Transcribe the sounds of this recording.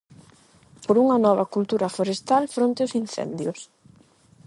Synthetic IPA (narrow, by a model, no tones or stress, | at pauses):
poɾuŋɐnɔβɐkult̪uɾɐfoɾest̪alfɾõnt̪ɪʊsinθɛ̰nd̪jʊs